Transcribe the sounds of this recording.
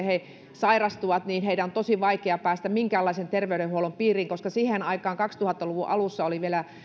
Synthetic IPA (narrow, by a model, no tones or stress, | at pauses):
he | sɑirɑst̪uʋɑt̪niːnheiɾæont̪osiʋɑikeɑpæːst̪æmiŋkæːlːˑɑisent̪erʋeyɾehuolompiːriːŋkoskɑsihenɑikɑːŋkɑkst̪uhɑt̪ːɑluʋuʔɑ̰lusːɑoliʋielæ